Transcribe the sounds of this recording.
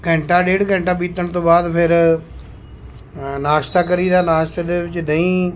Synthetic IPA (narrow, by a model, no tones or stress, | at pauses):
kɛ̃ɳʈaːɖeːɽkɛ̃ːɳʈaːbiːt̪əɳt̪õːbaːd̪pʰɪɾ | naːʃt̪aːkəɾiːd̪aːnaːʃt̪d̪eːʋɪt͡ʃd̪əĩː